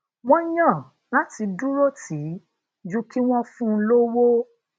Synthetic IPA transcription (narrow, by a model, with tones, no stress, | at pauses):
w̃ɔ̃˦jã˦˨ | la˦ti˧du˦ɾo˦tʰi˨˦ | d͡ʒũ˦ki˦w̃ɔ̃˦fũ˦lo˦wo˦